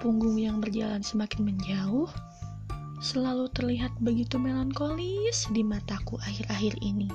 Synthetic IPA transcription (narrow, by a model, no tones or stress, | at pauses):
puŋɡʊŋjaŋbərd͡ʒalansəmakɪnməɲd͡ʒaʊh | səlalut̪ərliɦat̪̚bəɡit̪umelɔnkolisdimat̪akuʔahɪɾaɦɪrḭni